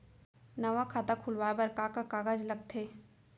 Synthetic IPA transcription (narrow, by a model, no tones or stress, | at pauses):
nɐʋakʰaːt̪akʰʊlʋaːbɐɾkakakaːɡad͡ʒlɐɡ̚t̪ʰeː